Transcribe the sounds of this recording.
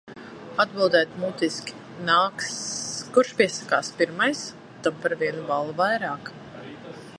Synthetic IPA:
ad̪̚bilˠd̪ɛːt̪mut̪iskʲi̥ | naːkskuɾʃpʲiɛsḁkaːspiɾmajs | t̪ampaɾviɛnuvalˠuvajɾaːk

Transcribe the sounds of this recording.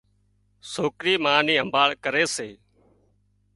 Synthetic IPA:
soːkɾiːmaːniːɦəmbʱaːɭkəɾeːseː

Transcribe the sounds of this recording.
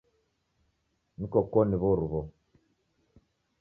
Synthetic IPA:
nikɔkɔniβɔɾuβɔ

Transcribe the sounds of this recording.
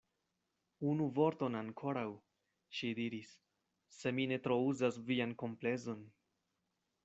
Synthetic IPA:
unuvo̞ɾto̞naŋkʰo̞ɾaw | ʃidiɾisː | e̞mine̞tɾo̞uzasvianko̞mple̞zo̞n

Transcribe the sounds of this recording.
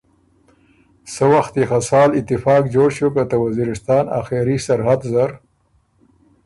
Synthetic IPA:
səwaxt̪ixasɑːlɪt̪ːɪfɑːkd͡ʒoːɽʃukət̪awaziɾɪst̪ɑːna̰xeɾisaɾɦad̪zaɾ

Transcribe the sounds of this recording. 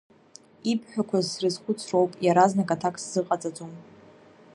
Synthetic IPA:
ipʰħʷᶣakʷʰazsrɨzχʷʊt͡sʰrowpʼjaɾaznakʼatʰakʼsz̥ɨqʼat͡sʼat͡sʼom

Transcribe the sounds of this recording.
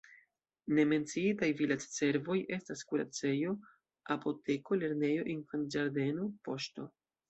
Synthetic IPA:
ne̞me̞nt͡siitajvilad͡ʒse̞ɾvo̞je̞staskuɾa̰t͡se̞jo̞ | apo̞te̞ko̞le̞ɾne̞jo̞ʔinfand͡ʒaɾde̞nopo̞ʃto̞

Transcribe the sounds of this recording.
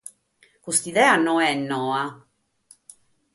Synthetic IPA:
kust̪iðɛːanɔɛnːɔːa

